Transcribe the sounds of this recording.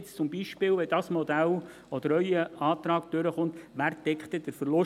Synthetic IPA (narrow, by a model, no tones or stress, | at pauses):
st͡sʊmbiːʃpɪːwʋɛd̥̪ɑsmɔd̪æl | ɔd̥̪əɾœʏəɑːt̪ɾɑːɡ̥d̥øɾəχʊnt̪ʋæːɾt̪ɛkχt̪əd̥̪əɾfəɾlʊ